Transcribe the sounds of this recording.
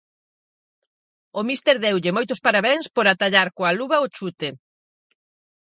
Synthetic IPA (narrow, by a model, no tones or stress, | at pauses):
ʊmist̪eɾðɛwʎɪmojt̪ʊspaɾaβɛŋspoɾat̪aʎaɾkoaluβɐot͡ʃut̪e